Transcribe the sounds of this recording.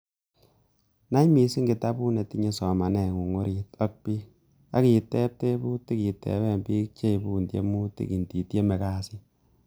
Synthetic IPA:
na˦i˦mi˨si˦ŋɡi˨ta˦bu˦ne˨ti˦ɲe˦sɔ˨ma˨nɛ˨ŋu˨ŋo˦ɾi˨tɔ˦k̚pi˦ | a̰˦ki˨tɛ˦p̚te˦bu˦ti˦ki˨tɛ̰˨βɛ˦mbi˦k̚t͡ʃe˦i˨bu˦ndjḛ˦mu˦tḭ˦˨ki˨nti˨tje˦mɛ˨ka˦si˦

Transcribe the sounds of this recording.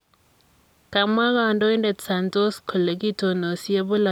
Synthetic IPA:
ka˨ma˦ɣa˨ndo˦i˦nde˨tsa˨nto˦skʰo˨le˨ki˦to˨no˨sje˦bʊ˦la˨

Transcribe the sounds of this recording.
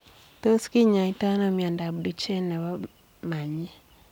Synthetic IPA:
to˦ski˦ɲa˨i˦ta˦nɔ˦mi˨a˨nda˨bdu˨t͡ʃɛ˦na˨wa˦ | ma˨ɲɛ˦

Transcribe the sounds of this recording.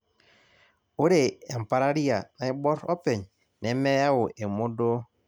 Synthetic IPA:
o˦ɾeː˨m˨pa˨ɾa˦ɾi˦a˨na˨i˦bɔ˦ɾɔ˦pe˨ɲ | nɛ˨˦mɛ˦ja˦wo˨ʔe˨mo˦do˦

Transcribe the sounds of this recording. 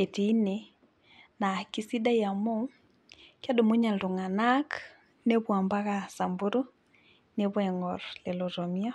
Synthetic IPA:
e˨ti˨˦ne˨ | na˨ki˨si˦da˦ja˨mo˦ | kja˦do˨mo˦ɲa˨ldo˨ŋa˨na˦k | ne˦βwa˨mba˦ɣa˨sa˨mbu˦ɾo˦ | ne˦βwɛ˨ŋɔ˨ɾle˨lɔ˨ɾɔ˨mi˦a˦

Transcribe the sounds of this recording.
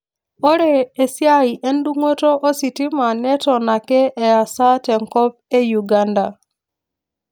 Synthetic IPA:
o˦ɾe˨e˨sja˦i˨ʔe˦n˦du˦ŋwo˦to˦ʔo˦si˨ti˦ma˨nɛ˦tɔ˨na˨kɛ˦ʔːja˨sa˦tɛ˨ŋkɔ˦p̚e˦ju˨ɡa˦nda˨

